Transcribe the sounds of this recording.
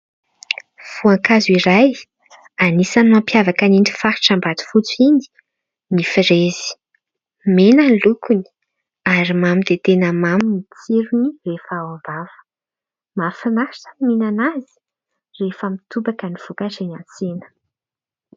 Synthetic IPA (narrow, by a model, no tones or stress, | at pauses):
v̥uaŋkazuiɾaj | anisanuampjavakanini̥faɾiʈ͡ʂambad̪u̥fut͡sini̥ | nifiɾezi̥ | menanlukuni̥ | aɾimamid̪et̪enəmamimit͡siɾunirefaavavə̥ | mafinaʃiʈ͡ʂə̥minanazi̥ | refəmit̪ubakəniv̥ukaʈ͡ʂenant͡senə̥